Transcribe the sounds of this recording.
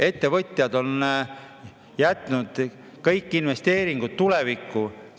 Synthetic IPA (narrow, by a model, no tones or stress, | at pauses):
e̞t̪ːe̞vɤt̪ʲˑjɑd̪o̞n | jæt̪ˑnud̪̥ | kɤjkːˑinve̞st̪e̞ːɾiŋɡ̥ut̪ːule̞vikːu